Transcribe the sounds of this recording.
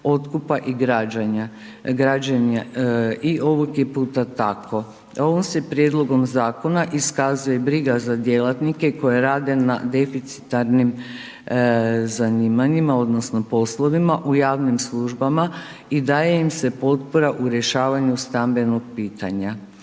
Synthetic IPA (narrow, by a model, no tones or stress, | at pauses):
o̞t̪kupaʔiɡɾad͡ʑaɲa | ɡɾad͡ʑanaiʔo̞ʋokje̞puːt̪at̪akʰo̞ | o̞ʋomse̞pɾje̞d̪lˠo̞ɡo̞mzaːko̞naʔiskazuje̞bɾiɡazad̪je̞lˠat̪nike̞ko̞jeɾaːd̪e̞na̰d̪e̞fit̪si̥t̪aɾnim | zaniːmaɲimao̞d̪no̞sno̞po̞slˠo̞ʋimaʔujaːʋnimslˠuʒbama | id̪aːje̞imse̞po̞t̪po̞ɾaʔuɾje̞ʃaːʋaɲust̪ambe̞no̞ɡ̚piːt̪aɲa